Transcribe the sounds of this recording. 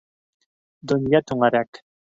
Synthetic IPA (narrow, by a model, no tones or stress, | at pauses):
d̪ɵ̆njɑt̪ʉŋæɾæk